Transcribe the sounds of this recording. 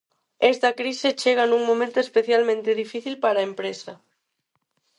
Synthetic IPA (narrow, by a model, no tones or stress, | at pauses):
est̪ɐkɾiset͡ʃeɣ̞ɐnũŋmõmẽnt̪oespeθjalmẽnt̪eðifiθilpaɾɐempɾesɐ